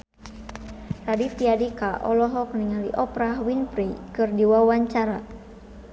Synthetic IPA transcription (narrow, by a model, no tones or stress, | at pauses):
radit̪iadikaʔɔlɔɦɔk̚niŋalḭʔɔpɾaɦwinpɾikɨrdiwawaɲt͡ʃaɾa